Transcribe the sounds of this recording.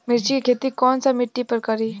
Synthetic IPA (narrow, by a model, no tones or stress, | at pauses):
mɪɾt͡ʃikikʰeːt̪ikɔːnsamɪʈːipəɾkɐɾiː